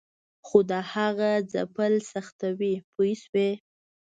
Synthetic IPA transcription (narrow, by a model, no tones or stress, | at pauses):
xod̪əhaɣad͡za̰pəlsaxt̪awipuiswe